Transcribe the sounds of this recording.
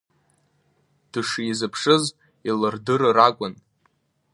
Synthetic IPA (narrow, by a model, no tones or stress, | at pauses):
d̥ɨʂizɨpʰʂɨz | ilɨrdɨrrakʷʼʊn